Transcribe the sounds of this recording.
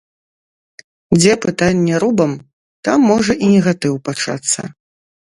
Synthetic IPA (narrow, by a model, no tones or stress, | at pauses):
d͡zʲɛpɨt̪anʲːɛɾubɐm | t̪amːɔʐɐʔinʲɛɣat̪ɨwpat͡ʂa̰t̪sːɐ̰